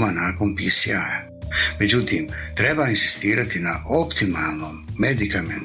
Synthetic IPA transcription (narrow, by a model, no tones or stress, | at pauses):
manaːko̞npisḭaja | me̞d͡ʑut̪iːmt̪ɾe̞bainsi̥st̪iːɾat̪ina̰ʔopt̪imalˠno̞mːed̪ikamḛn